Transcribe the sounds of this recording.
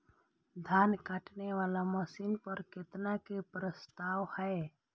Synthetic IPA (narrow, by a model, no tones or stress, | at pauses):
d̪ʱjaːnkaːʈneʋaːlaməsinpəɾkɪt̪nakepɾəst̪aːwhɛe